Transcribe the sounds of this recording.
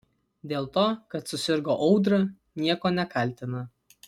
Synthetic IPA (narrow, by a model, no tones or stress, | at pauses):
d̪ʲeːlˠt̪oːkɐt̪sʊsʲɪɾɡoːʔɒʊd̪ɾɐ | nʲiɛkoːnʲɛkɐlʲt̪ʲɪnɐ